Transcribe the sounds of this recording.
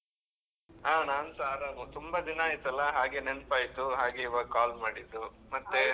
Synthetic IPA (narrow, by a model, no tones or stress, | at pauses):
aːnaːnsaːɾaːmɐt̪umbɐd̪inaːjit̪ːɐlːɐɦaːɡenenpaːjit̪ːuɦaːɡeiʋɐɡkaːlmaːɽid̪ːumɐt̪ːe